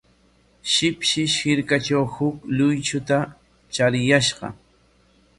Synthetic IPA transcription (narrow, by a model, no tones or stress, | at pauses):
ʃɪpʃɪʃhɪɾkat͡ʃawhʊklʊjt͡ʃʊt̪a | t͡ʃaɾɪjaʃɢɑ̰